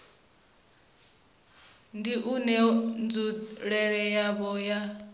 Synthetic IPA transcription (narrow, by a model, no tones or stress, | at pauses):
ndiʔunɛnd͡zuɺɛɺɛjaβɔja